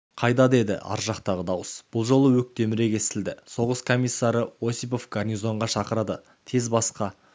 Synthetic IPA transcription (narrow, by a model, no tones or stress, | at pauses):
qʰɑjd̪ɑd̪e̞d̪ɪ̰ʔɑ̰ɾʒɑqt̪ɑʁəd̪ɑwəsb̥ʊlˠʒo̞lˠəwɵk̚t̪e̞mɪɾe̞kʲe̞st̪ɪld̪ɪso̞ʁəskʰo̞mʲijsːɑɾəo̞sijp̬o̞fɡarnizo̞ɴʁɑʃɑqəɾɑd̪ə | t̪ʰe̞zbɑsqɑ